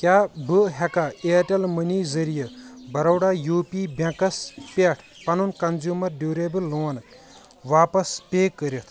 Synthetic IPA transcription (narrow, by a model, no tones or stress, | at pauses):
kʲjaːbɨɦɛkaeːʈɐlmɐniːzɐɾijɐbɐɾɐwɽaːjuːpibɐ̃kɐspʲeʈʰpɐnunkɐnzuːmɐɾɖuːɾeːbɨlːoːn | ʋaːpɐspeːkːəɾʲjit̪ʰ